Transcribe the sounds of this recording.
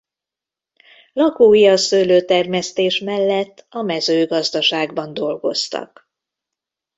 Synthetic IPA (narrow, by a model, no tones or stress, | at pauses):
lɒkuːjiɒsøːløːt̪ɛrmɛst̪eːʃmɛlːɛt̪ːɒmɛzøːɡɒzd̪ɒʃaːɡbɒnd̪o̞lɡo̞st̪ɒ̰k